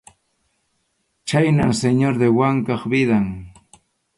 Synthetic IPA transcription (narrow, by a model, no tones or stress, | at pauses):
t͡ʃajnamseɲoɾd̪ewaŋkɑχbɪðaŋ